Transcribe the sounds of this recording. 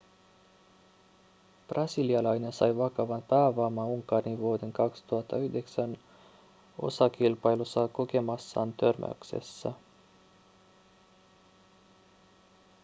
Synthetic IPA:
b̥rʔɑsiliɑlɑjne̞nsɑ̰jʋɑkɑʋɑnpæːʋɑːmɑuŋkɑɾiʋuode̞ŋkɑkst̪uɑt̪ʰːɑyhde̞ksæn | o̞̰sɑkilpɑjlusːɑko̞ke̞mɑsːɑːnt̪ørmʔæ̰y̰ksḛsːæ

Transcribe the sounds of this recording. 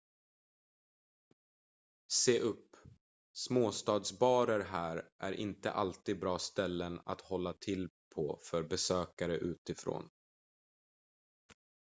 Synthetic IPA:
seːʔɵpː | smoːst̪ɑːd̪sbɑːɾəɾɦæːɾʔæ̰ɾʔɪ̰nt̪ə̰ʔalt̪iːd̪̚bɾɑːst̪ɛlːəna̰t̪hɔlːat̪ʰɪlpʰɔfœɾbɛsøːkaɾəʔʉ̟ːt̪ɪfɾo̰ːn

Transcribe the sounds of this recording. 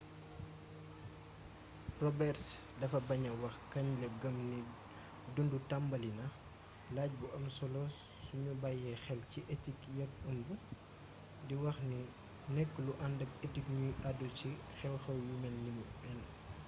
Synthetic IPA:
prɔbɛrs | dɐfɐbɐɲɐwɐxkɐɲlɛp̚ɡɐmni | dundutambɐlinɐ | laːɟ̚buʔɐmsɔlɔ | suɲubajɛxɛlciʔetikjɐkɐmbu | diwɐxni | nɛkːəluʔɐndɐpetikɲuaduci | xɛwxɛwjumɛnːimubɛl

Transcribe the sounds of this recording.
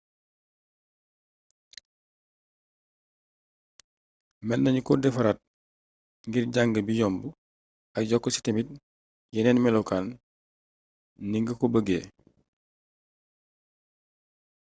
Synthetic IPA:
mɛnːɐɲukɔdɛfɐɾat̚ | ŋɡirɟaŋɡəbijɔmbu | ɐk̚ɟɔkːɔsi̥temit̚ | jɛnɛnmɛlɔkaːn | niŋɡəkɔbəɡeː

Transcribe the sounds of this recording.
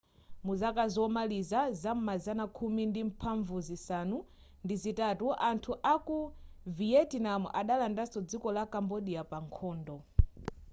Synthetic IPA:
muzakazɔmalizazam̩mazanakʰumindim̩pʰaɱvuzisanu | ndizitatuʔantʰuʔakuviɛtinam̰ʔaɗalandasɔd͡zikɔlakambɔɗiapaŋkʰɔːndɔ

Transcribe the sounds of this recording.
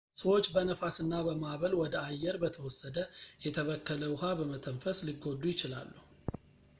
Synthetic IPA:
səwo̞t͡ʃːbənəfasɨnːabəmaβəlwɔd̪əajːɛɾbət̪ʰəwɔsːəd̪əjɛt̪ʰəβəkːələwʊhabəmət̪ʰəɱfəslɨɡːo̞d̪ːujɪt͡ʃɪla̰lːuhu

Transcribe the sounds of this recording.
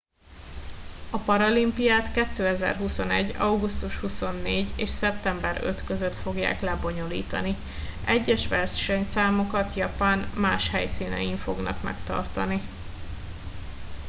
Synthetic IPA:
ɒpɒɾɒlimpijaːt̪kɛt̪ːøːɛzɛ̰rɦuso̞nɛɟːɒwɡust̪uʃhuso̞nːeːɟeːʃsɛp̚t̪ɛmbɛɾø̰t̪køzø̞t̪fo̞ɡja̰ːklɛbo̞ɲo̞lḭːt̪ɒ̰ni | ʔɛɟːɛʃʋɛrʃɛɲsaːmo̞kɒt̪jɒpaːnmaːʃhɛjsiːnɛ̰jiɱfo̞ɡnɒ̰kmɛ̰kt̪ɒ̰rt̪ɒni

